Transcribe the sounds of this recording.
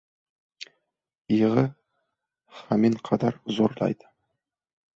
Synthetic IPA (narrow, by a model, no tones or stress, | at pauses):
ijʁə | χɑmenqʰɑd̪ɑɾzoɾlˠɑ̰jd̪ə̥